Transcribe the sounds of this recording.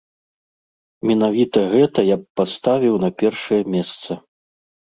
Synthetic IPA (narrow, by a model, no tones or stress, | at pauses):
mʲɛnavʲit̪ɐɣɛt̪ɐjapːast̪avʲiwnɐpʲɛrʂɐjɐmʲɛst̪sɐ